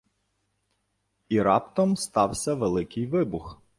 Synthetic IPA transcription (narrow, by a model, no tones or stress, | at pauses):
iɾɑ̰pt̪ɔmst̪ɑwsʲɐʋelˠɪkɪjʋɪbʊx